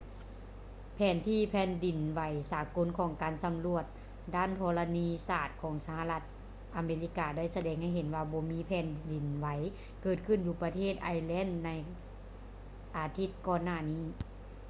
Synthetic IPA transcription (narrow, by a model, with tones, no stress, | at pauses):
pʰɛː˨˦nt̪ʰiː˧˨pʰɛː˧˥ndi˨˩nwa˨˦jsaː˨˦ko˧˥nkʰɔː˨˦ŋkaː˨nsa˧˦mlu˧˩ət̪̚ | daː˥˨nt̪ʰɔː˧la˧niː˧saː˧˩t̪̚kʰɔː˩˦ŋsa˧ha˧la˧t̪̚ | ʔa˨˧˦meː˧li˧˥kaː˧da˥˩˨jsa˧dɛː˧˦ŋha˧˩jɦe˨˦nwaː˧bɔː˨˧˦miː˧˥pʰɛː˨˧˥ndi˨˩nʋa˨˦j | kɤː˧˩t̪̚kʰɯ˧˥˩njuː˧pa˧t̪ʰeː˥˩t̪̚ʔa˧jlɛ˧˥˨nːa˧j | ʔaː˨˧t̪ʰi˧˥t̪̚kɔː˧nːaː˧˩˨niː˧˥˨